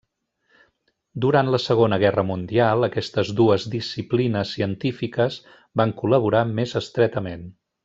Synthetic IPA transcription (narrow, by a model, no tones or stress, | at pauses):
d̪uɾant̪ləsəɣ̞onəɣ̞ɛrəmund̪ialˠəkɛst̪əzðuəzd̪isiplinəsːiənt̪ifikəz | baŋkuləβ̞uɾamezəst̪ɾɛt̪əmen